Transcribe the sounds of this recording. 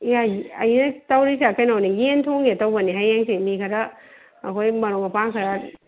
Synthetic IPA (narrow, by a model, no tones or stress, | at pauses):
jaɐjnɐtawɾis̬akʰajnawnijentʰoŋetawbɐniɦajaŋsimikʰaɾaː | kʰojmɐɾoŋapaŋkʰaɾa